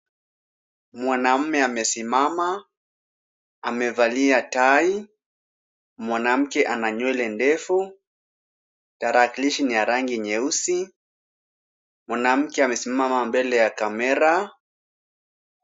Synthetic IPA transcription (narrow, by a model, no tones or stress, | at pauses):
mwanam̩mɛamɛsimama | amɛvaliatai | mwanam̩kɛʔanaɲwɛlɛndɛfu | taɾakiliʃinijaɾaŋɡiɲɛusi | mwanam̩kɛamɛsimamamambɛlɛjakamɛɾa